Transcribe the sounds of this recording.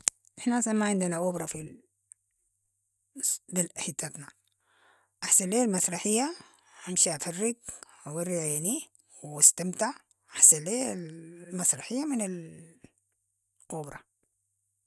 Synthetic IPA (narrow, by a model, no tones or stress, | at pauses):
ʔɪħnasamːaʕɪnd̪anaɣubɾˤɑfi | d̪ilaħit̪ːat̪na | ʔaħsaleːlmasɾˤɑħɪjːa | hamʃiʕafarːɪɡawarːiʕjaʕni | wast̪amt̪aʕ | ʔaħsalːeːlmasɾˤɑħɪjːamɪnal | ʔubɾˤɑ̰